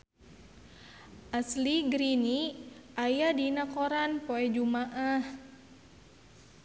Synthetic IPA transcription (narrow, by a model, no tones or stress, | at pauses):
ʔasliɡɾiniʔajadinakoɾanpoɛd͡ʒumaʔah